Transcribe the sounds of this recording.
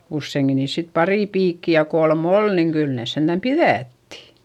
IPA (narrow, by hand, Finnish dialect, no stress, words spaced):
usːeiŋkin niːs sit pɑriˑ piːkːi jɑ kolm ol niːŋ kyl neˑs send̥æm piðætːi̥